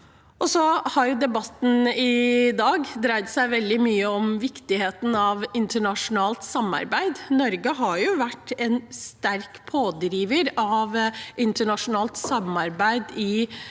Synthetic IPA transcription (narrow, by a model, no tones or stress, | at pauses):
ʔɔsɔhɑɾjʊd̪ɛbɑt̪ːn̩ɪd̪ɑːɡd̪ɾæɪt̪sæɪʋɛld̪ɪmyːəɔmʋɪkt̪ɪɦeːt̪n̩ɑʋɪnt̪əɳɑʂʊnɑːlt̪sɑmːɑ̰ɾbæɪd̪nɔɾɡəɦɑɾjʊʋæʈːɛnst̪æɾkpʰoːd̪ɾiːʋəɾɑʋʔɪnt̪əɳɑʂʊnɑːlt̪sɑmɑɾbæɪd̪ɪ